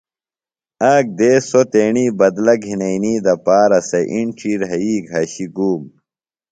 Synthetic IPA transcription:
aːk̚d̪eːsot̪eːɳiːbɐd̪lɐɡɦinɐiniːd̪ɐpaːɾɐsɐʔiɳʈ͡ʂiɾɦɐiːɡʱɐɕiɡuːm

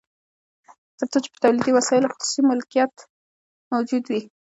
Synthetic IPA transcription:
t̪əɾt͡sot͡ʃe̥pət̪awlid̪iwasɑɪloxʊsu̥simʊlkijat̪ | mawd͡ʒud̪wi

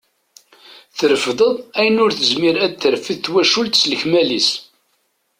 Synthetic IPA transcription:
θəɾəfðˤəðˤæjənʊɾθəzmiɾæd̪θəɾfiðθwæʃult̪sələçmælis

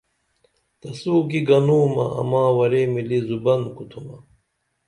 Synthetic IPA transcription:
t̪ɐsuːkiɡɐnuːmɐ̰ɐ̰maːwɐɾeːmilizubɐnkut̪ʰumɐ

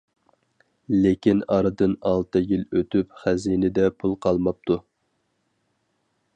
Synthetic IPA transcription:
lekʲinɑɾɨd̪ɨnɑlˠt̪ʰɨjilˠøt̪ʰypχæzinɪd̪ɛpʰulˠqʰɑlˠmɑp̚t̪ʰu

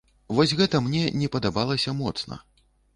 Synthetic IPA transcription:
vɔsʲɣɛt̪ɐmnʲɛnʲɛpɐd̪abalˠɐsʲɐmɔt̪snɐ̰

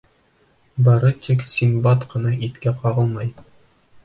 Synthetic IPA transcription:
bɒɾɤt̪iksʲiŋbɑt̪qɤ̆nɑit̪kæqɑʁɤlˠmɑj

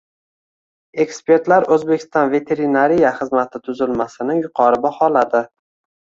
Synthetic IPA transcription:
e̞kspe̞ɾt̪laɾɵzbe̞kʲɪ̥st̪ɒnve̞t̪ʰe̞ɾinaɾijaχɨzmat̪ʰɪt̪ʰʊzɪlmasɪnɪŋjʊqʰɒɾɪbahɒlad̪ɪ

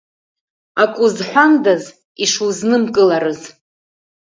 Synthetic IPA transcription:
akʷʼʊzħʷᶣandaz | iʂuznɨmkʼɨlaɾɨz

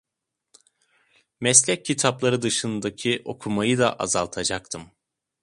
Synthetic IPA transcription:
mɛslʲɛc̚ʰːit̪ʰaplˠaɾɯd̪ɯʃɯnd̪acʰiʔo̞kʰumajɯd̪aʔazalˠt̪ʰad͡ʒak̚t̪ʰɯm

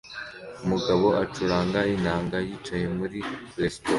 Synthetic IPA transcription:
umuɡaβo̞ʔat͡ʃuɾaːŋɡainaːŋɡajiːt͡ʃaje̞muɾilesto

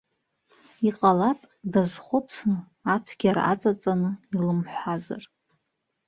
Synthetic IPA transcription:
iqʼalapʼ | dazχʷʊt͡sʰnɨ | at͡sʷʰɡʲaɾa̰at͡sʼat͡sʼanɨilɨmħʷaza̰r

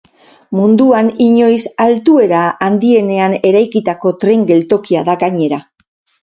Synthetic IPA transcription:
mund̪uaniɲo̞jsalt̪ue̞ɾaːnd̪ie̞ne̞ane̞ɾajkit̪ako̞t̪ɾe̞ŋɡe̞lt̪o̞kiaðaɡaɲe̞ɾa

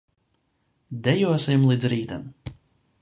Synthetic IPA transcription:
d̪ɛjuɔsimlˠid̪zɾiːt̪a̰m

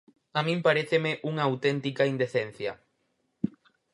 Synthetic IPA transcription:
amĩmpaɾeθemɪʔuŋɐːwt̪ent̪ikɐind̪eθen̟θjɐ

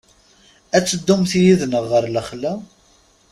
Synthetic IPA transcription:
æt͡sːəd̪ːumθijiðnəʁːəɾləχlːæ

